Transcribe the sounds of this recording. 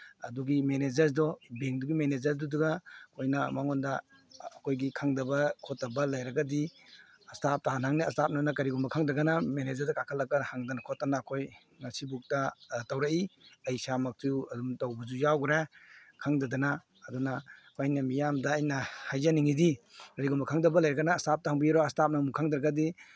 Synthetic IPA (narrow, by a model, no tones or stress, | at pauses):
ɐ̰duɡimened͡ʒɐɾdɔbeŋk̚duɡimened͡ʒɐɾduduɡakʰojnamaŋɔndaː | kʰojɡikʰaŋdɐbɐkʰɔtːɐbɐlɐjɾɐɡɐdi | ɐstap̚taɦanhaŋniɐstap̚nanɐkɐɾiɡɔmbɐkʰaŋdɐɡɐnamened͡ʒɐɾdakakʰalːɐkahaŋdanakʰotːanaːkʰoj | ŋɐsibuk̚tɐtawɾaiɐjsamɐk̚tʰuɐdumtawbɐzujawɡɾakʰaŋdɐdɐnaː | dunakʰajnɐmijamdaːjnɐhajzaniŋidikɐɾiɡɔmbɐkʰaŋdɐbɐlajɾɐɡɐnaːstap̚taɦaŋbiɾɔɐstap̚nɐmukʰaŋdɾɐɡɐdi